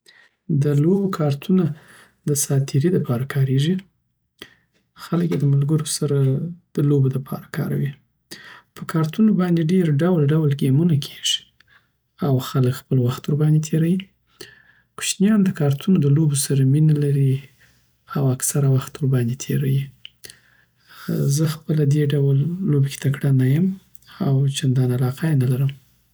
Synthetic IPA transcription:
d̪əlobokʰɑɾt̪ʰuna | d̪əsɑt̪ʰiɾilapʰɑɾakʰɑɾeʐi | xaləkjed̪əmalɡəɾosaɾad̪̥əloboləpʰɑ̰ɾakʰɑ̰ɾawi | pəkʰɑɾt̪unobɑnd̪eɖeɾɖawlɖawlɡemunakʰe̥ʒ̥i̥ | awxaləkxpəlwaxt̪uɾbɑnd̪et̪ʰeɾawi | pʊ̥ʃnjɑnd̪əkɑɾt̪ʰunod̪əlobosaɾaminalaɾi | awaksaɾawaxt̪uɾbɑnd̪et̪ʰeɾaji | zəxpəlad̪eɖawəlːobeke̥t̪akɽanajəm | awt͡ʃand̪ɑnalɑqajenalaɾəm

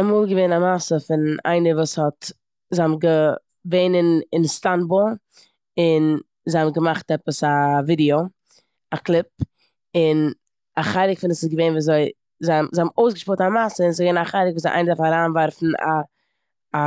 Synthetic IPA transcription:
amuːlˠɡəveɪnamasəfɪna̰ɪnəɾvuːshɔt | zeɔmɡə | veɪnənɪnstanbɔ | ɪn | zeɪhamɡəmaχtɛpəsavidio | aklˠɪp̚ | ɪn | aχaɪɾɪkfɪnəsɪsɡəveɪnviːzoɪ | zamzhɔbmoʊsɡəʃpʊtamasəɪnzɡveɪnaχaɪɾɪk̚vuːszɪʔa̰ɪnədafaɾaːnvaɾfn̩a̰ː

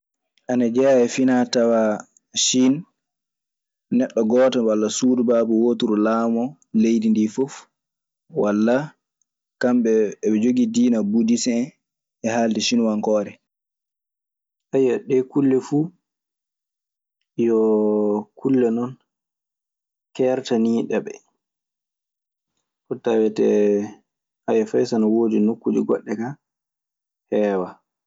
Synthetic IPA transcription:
ʔanad͡ʒɛaɛfinatawa | ʃin | nɛɗːɔɡɔːtawalːasudubaːbɔwotuɾulaːmɔ | lejdindifɔf | walːa | kamɓɛɓɛd͡ʒoɡidiːnabudisɛ | ɛhaldiʃinwaŋkɔːɾɛ | ʔajaɗɛkulːɛfu | jɔ | kʰulːɛnɔn | kɛjaɾtaniːɗɛɓɛ̰ | kɔtːawɛtɛ | ʔajɛfajsanawoːdinukːud͡ʒiɡɔ̰ɗːɛka | hɛːwa

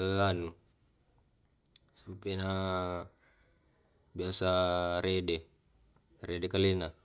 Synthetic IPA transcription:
əanu | sampena | biasaɾedɛ | redɛkalina

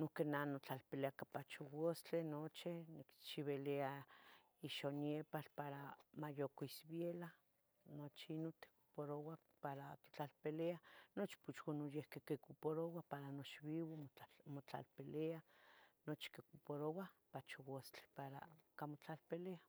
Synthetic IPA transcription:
nokenanot͡ɬalpeleakapat͡ʃowost͡ɬenot͡ʃinikt͡ʃiβelea | iʃonjepalpaɾamajokoisbjela | not͡ʃiinot̪e̥ku̥poɾowa | paɾat̪o̥t͡ɬalpeleanot͡ʃi̥put͡ʃwonojehkekekupoɾowapaɾanot͡ʃβiwomot͡ɬa̰lpeleanot͡ʃi̥kekupoɾowapat͡ʃowost͡ɬe̥paɾa̰kamot͡ɬalpelea

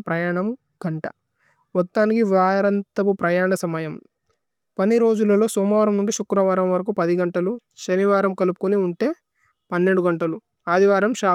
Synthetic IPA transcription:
pɾɐjaːɳɐm | ɡ̥ɐɳʈɐ | ʋɔt̪ːaːnikiʋaːɾɐnt̪ɐpupɾɐjaːɳɐsɐmɐjɐm | pɐniɾo̞ːd͡ʒulɐlo̞ːsɔːmaːɾɐmnuɳɖiʃukːɾɐʋaːɾɐmʋɐɾɐk̬upɐd̪iɡɐɳʈɐlu | ʃɐniʋaːɾɐmkɐlupu̥kuniuɳʈe̞ː | pɐnːe̞ɳɖuɡɐɳʈɐlu | aːd̪ʱiʋaːɾɐmʃaː

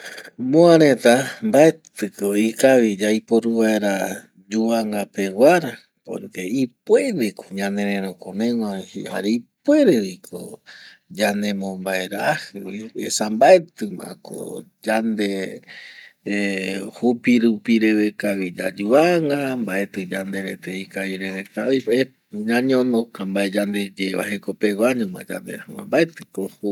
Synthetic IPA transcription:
mõãɾẽt̪ambaet̪ɨkoikaβid͡ʒajpoɾuβaeɾa | d͡ʒuβaŋɡape̞waɾa | po̰keip̚weɾekʰoɲãnẽɾẽɾõkõmẽwãhḭha̰ɾeip̚we̞ɾewikʰo̰ | d͡ʒanemõmbaeɾahɨwiḛsambaet̪ɨmã̰ko̰ | d͡ʒand̪e | hupiɾupiɾe̞βekaβid͡ʒad͡ʒuβaŋɡambaʔet̪ɨd͡ʒand̪eɾet̪eikaiɾeβekaie | ɲãɲõnõkambaed͡ʒand̪e̞d͡ʒeβa̰hekopewaɲõmã̰d͡ʒa̰nd̪ḛhɨwã̰mbaet̪ɨkoh

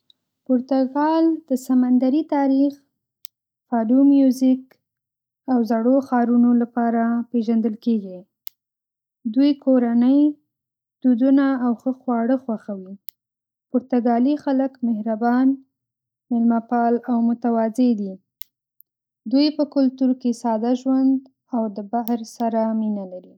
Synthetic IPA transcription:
poɾt̪aɡɑld̪̥əsamand̪aɾit̪ɑɾix | fɑdumjuzik | awzaɽoxɑɾunolapɑɾapeʒand̪əlkeɡi | d̪ujkoɾanəj | d̪̥ud̪unaːwxəxwɑɽəxwaxawi | pʊɾt̪aɡɑlixaləkmɪhɾabɑn | mɪlmapɑlawmʊt̪awɑzed̪i | d̪ujpəkʊlt̪uɾkesɑd̪aʒwand̪ | awd̪əbaɦɾsaɾaminalaɾi

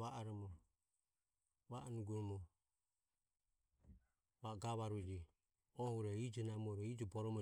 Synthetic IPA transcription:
βaʔaɾɔmɔ | βaʔnuɡuɾɔmɔ | βaɡaβaɾud͡ʒi | ɔhuɾɛid͡ʒɔnamuɔɾɔid͡ʒɔbɔɾɔmɔ

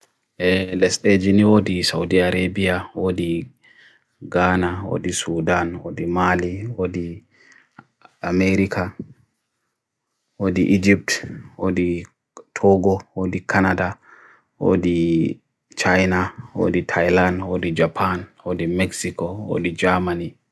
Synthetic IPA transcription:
elɛsteːd͡ʒɪnɪwod̪ɪsɐwd̪iɐɾeːbɪjawod̪ɪ | ɡaːnɐwo̰ːd̪ɪsuːd̪anwɔ̰d̪ɪmaːliwod̪ɪ | ɐmeːɾɪkʰɐ | wod̪iʔːd͡ʒɪp̚t̪wod̪i | t̪ʰoːɡɔwoːd̪ikʰɐnɐd̪a | wo̰ːd̪i | t͡ʃajnawo̰ːd̪it̪ʰɐjlanwod̪id͡ʒɐpʰanwɔd̪imɛksɪkɔwo̰ːd̪ɪd͡ʒaːmɐni

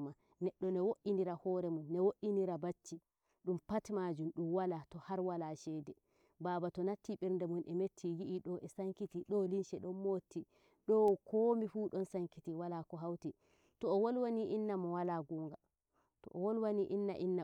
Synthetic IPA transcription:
ma | nɛɗːɔnɛwoʔiniɾahɔɾɛmunːɛwoʔiniɾabat͡ʃːi | ɗumpatmad͡ʒumɗumwalatɔhaɾwalaʃɛdɛ | baːbatɔnatʰːiɓɛɾndɛmunʔɛmetʰːijiʔiɗɔʔɛsaŋkitiɗɔlinʃɛɗɔnmotːi | ɗɔkoːmifuːɗɔnsaŋkitiwalakɔɦawti | tɔːwolwaniʔinːamɔwalaɡuːŋɡa | tɔ̰ʔɔwolwaniʔinːa̰ʔinːa

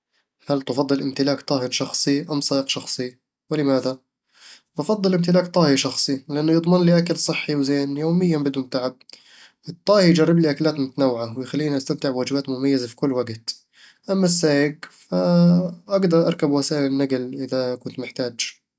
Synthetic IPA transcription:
halt̪ɑfɑd̪ˤːɨlʔɪmt̪ɪlaːkt̪ˤɑːhɪnʃɑxsˤiʔamsˤɑːʔɪqʃɑxsˤi | wɪlɪmaːða | bɑfɑd̪ˤːɨlʔɪmt̪ɪlaːkt̪ˤɑːhiʃɑxsˤilɪʔanːʊjɨd̪ˤmɪnliːʔakalsˤɨħːiwzeːnjoːmɪjːambɪd̪uːnt̪aʕab̚ | ʔɨt̪ˤːɑːhijd͡ʒarˤːɪbliʔakalaːt̪mʊt̪anawːʕawɪjxalːiːniʔast̪amt̪ɪʕbwaːd͡ʒɪbaːt̪mʊmajːazafi̥kʊlːwaɡt̪ | ʔamːasːaːjɪɡfaʔɑɡd̪ɑɾˤʔɑɾˤkabwasaːʔɪlɪnːaɡlʔɪðakʊnt̪mɪħt̪aːd͡ʒ

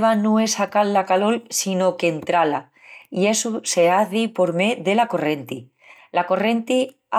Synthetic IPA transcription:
βanoe̞sakallakalo̞lsino̞ke̞nt̪ɾala | ie̞suse̞aθipo̞ɾmeðe̞lako̞re̞nt̪i | lako̞re̞nt̪i | a

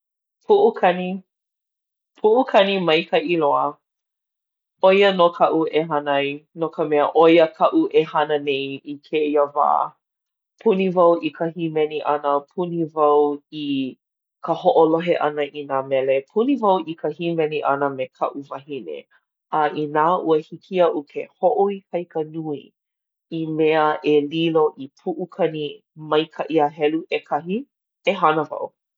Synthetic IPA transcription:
pʰuʔukʰɐni | pʰuʔukʰɐnimɐjkʰəʔiloə | ojənokʰɐʔuʔeɦɐnɐjnokəmɛəʔojəkʰɐʔuʔehɐnənejikʰeiəva̰ː | pʰunivɐwʔikʰəɦimɛniʔɐnəpʰunivɐwi | kʰəhoʔoloɦeʔɐnəʔinaːmɛlepʰunivɐwʔikʰəhimɛniʔɐnəmekʰɐ̰ʔuvɐhinḛ | aʔinaːʔuəhikʰiəʔukʰehoʔoikʰɐjkənui | imeəʔeliloʔipʰuʔukʰɐni | mɐjkʰaʔiaɦɛluʔekʰɐɦi | eɦɐnəvɐ̰w

